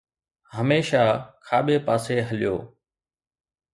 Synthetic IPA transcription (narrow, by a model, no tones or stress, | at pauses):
həmeːʃaːkʰaːɓeːpaːseːɦəlɪjo̰ː